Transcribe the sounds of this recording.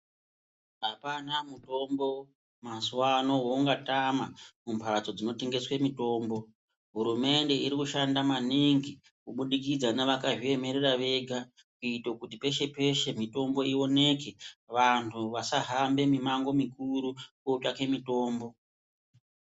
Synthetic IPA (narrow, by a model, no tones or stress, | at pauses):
ɦapanamuto̞mbo̞ | maswano̞wo̞uŋɡatamamumpʰad͡zo̞d͡zino̞teŋɡe̞swemito̞ːmbo̞ | ɦuɾume̞nde̞iɾikuʃandamaniŋɡi | kuɓuɗikid͡zanaʋakaʐie̞me̞ɾeraʋe̞ɡʱa | kuitokutipe̞ʃe̞pe̞ʃe̞mito̞mbo̞io̞ne̞ke̞ʋantʰuʋasaɦambe̞mimaŋɡo̞mikuɾukot͡ʃake̞mito̞ːmbo̞